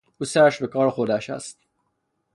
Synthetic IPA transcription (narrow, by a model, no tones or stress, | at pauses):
usæʃbekɒːɾxod̪æʃæ̰st̪̚